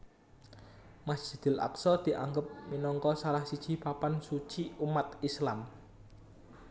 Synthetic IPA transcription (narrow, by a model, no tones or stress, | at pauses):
masd͡ʒ̥i̤d̪̥ɪ̤lʔa̰ksɔd̪̥i̤ʔa̰ŋɡəp̚minɔŋkɔsalahsid̥ʒ̥i̤papansut͡ʃiumat̪̚islam